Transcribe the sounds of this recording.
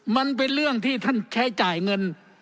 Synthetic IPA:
ma˧np̬e˧nɾɯ˥˩əŋt̪ʰiː˥˩t̪ʰa˥˩nt͡ɕʰa˦˥jt͡ɕaː˨˩jŋɤ˧n

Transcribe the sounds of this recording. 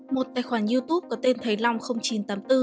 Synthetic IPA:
mo˨˩t̚t̪aː˨˩jxwaː˧˩nzi˧t̪u˦˥p̚kɔ˨˦t̪e˧nt̪ʰə˨˦jla˧wŋ͡mxə˧wŋ͡mt͡ɕi˨˦nt̪aː˨˦mt̪ɨ˧

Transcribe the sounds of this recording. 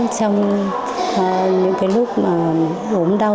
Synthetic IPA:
t͡ɕɔ˧wŋ͡m | ɲɨ̰˧˥ŋkaː˨˦jlʊ˦˥k͡p̚maː˨˩ | ɗo˨˦mɗa˧

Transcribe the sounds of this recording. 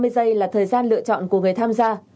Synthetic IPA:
mɨ˧əjzə˧jlaː˨˩t̪ʰəː˨˩jzaː˧nlɨ̰˧˨t͡ɕɔ̰˧˨nku˧˩əŋɨ˨˩əjt̪ʰaː˧mzaː˧

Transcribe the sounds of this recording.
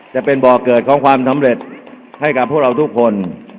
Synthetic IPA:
t͡ɕa˨˩pe˧nbɔː˨˩kɤː˨˩t̪̚kʰɔː˩˦ŋkʰwaː˧msa˩˦mɾe˨˩t̪̚ | ha˥˩jka˨˩p̚ʰːu˥˩əɾa˧wt̪u˦˥˩kʰːo˧n

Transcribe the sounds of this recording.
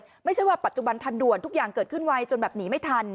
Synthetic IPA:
t̪ma˥˩jt͡ɕʰa˥˩waː˥˩pa˨˩t̪̚t͡ɕu˨ba˧nt̪ʰa˧ndu˨˩ənt̪ʰu˦˥k̚jaː˨˩ŋkɤː˨˩t̪̚kʰɯ˥˩nwa˧jt͡ɕo˧nbɛː˨˩p̚niː˩˦˥ma˥˩jt̪ʰa˧n

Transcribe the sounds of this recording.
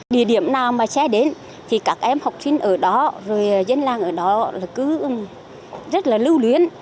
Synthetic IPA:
ɗḭ˧˩əɗi˧˩əmnaː˨˩wmaː˨˩sɛ˧ɗe˨˦n | t̪ʰi˨˩kaː˦˥k̚ʔɛ˧mha˨˩wk͡p̚si˧nʔəː˧˩ɗɔ˨˦zo˨˩jːzə˧nlaː˨˩ŋʔəː˧˩ɗɔ˨˦laː˨˩kɨ˨˦˨ | zə˦˥t̚laː˨˩lɨ˧wlwi˨˦ən

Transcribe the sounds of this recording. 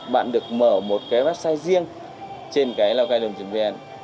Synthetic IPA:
ɓa̰ː˧˨nɗɨ˨˩ək̚məː˧˩mo˨˩t̚kaː˨˦jɓaː˦˥t̚saː˧jzi˧əŋ | t͡ɕe˧nkaː˨˦jlaː˧wkaː˧jɗɨ˨˩mt͡ɕi˨˩˦ŋve˧ɛ˧˩n

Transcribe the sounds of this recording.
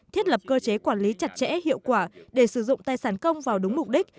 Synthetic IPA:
t̪ʰi˦˥t̚lə˨˩p̚kəː˧t͡ɕe˨˦kwaː˧˩nli˨˦t͡ɕa˨˩t̚t͡ɕɛ̰˧˥hḭ˧˨əwkwaː˧˩ɗe˧˩sɨ˧˩zʊ̰˧˨ŋ͡mt̪aː˧jsaː˧˩nkə˧wŋ͡mvaː˨˩wɗʊ˨˦ŋ͡mmʊ˨˩k͡p̚ɗï˦˥k̚

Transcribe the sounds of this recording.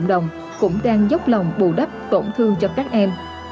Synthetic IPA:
ŋ͡mɗə˨˩wŋ͡m | kʊ̰˧˥ŋ͡mɗaː˧ŋzə˦˥wk͡p̚lə˨˩wŋ͡mɓṵ˧˩ɗə˦˥p̚t̪o̰˧˩nt̪ʰɨ˧əŋt͡ɕɔ˧kaː˦˥k̚ʔɛ˧m

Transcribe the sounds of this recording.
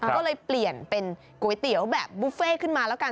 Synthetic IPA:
kɔː˥˩lɤː˧jpli˨˩ənpe˧n | ku˨˩˦jt̪i˩˦əwbɛː˨˩p̚buː˧˦˥feː˥˩kʰɯ˥˩nmaː˧lɛː˦˥wka˧

